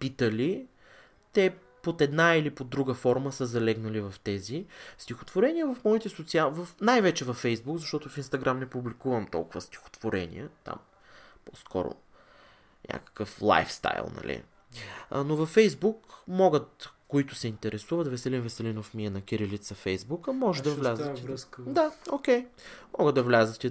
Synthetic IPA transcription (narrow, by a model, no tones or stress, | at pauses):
pit̪əli | t̪ɛ | pot̪ɛd̪nailipod̪ːɾuɡəfɔɾməsəzɐlɛɡnɐlivɐft̪ɛzist̪ixo̥t̪voɾɛnijəvɐfmɔit̪ɛsot̪siavɐfnajvɛt͡ʃɛvɐfːɛjzbukzɐʃt̪ɔt̪ʊfinst̪ɐɡɾamnɛpublikuvɐmt̪ɔ̰lˠkʊvəst̪i̥xo̥t̪voɾɛ̰nḭət̪a̰m | poskɔ̰ɾʊ̰ | nʲʔa̰kə̥kəflˠa̰jfst̪a̰jlˠnɐ̰lʔḭ | novɐfːɛjzbukmɔɡət̪koit̪ʊsɛint̪ɛɾɛsuvɐt̪vɛsɛlinvɛsɛlinofmiɛnɐkʲiɾilit̪sɐfɛjzbukəmɔʒɛd̪ɐvlazəɾd̪aok̟ɛjmɔɡəd̪d̪ɐvlʲazət̪ɛ